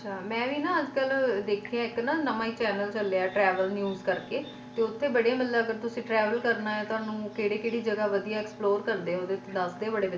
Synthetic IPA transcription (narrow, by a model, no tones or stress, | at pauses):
ət͡ʃʰaːmɛ̃ːʋiːnãːəd͡ʒkəld̪eːkʰijãːɪknaːnəmãːiːt͡ʃɛːnəlt͡ʃəlːeaːʈɾɛːʋəlnjuːzkəɾkeː | t̪eːʊt̪ʰːeːbəɽjaːmɪlːaəɡəɾt̪ʊsĩːʈɾɛːʋəlkəɾnaːɛ̃ːt̪ʊaːnũːkeːɽeːkeːɽiːd͡ʒəɡaːʋəd̪ijaːɛksploːɾkəɾd̪eːoːd̪et̪ːd̪əsd̪eːbəɽeːʋə